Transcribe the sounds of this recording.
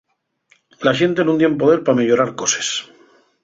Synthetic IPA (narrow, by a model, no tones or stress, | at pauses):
laʃent̪enund̪je̞mp̬oðeɾpame̞ʎoɾaɾkose̥s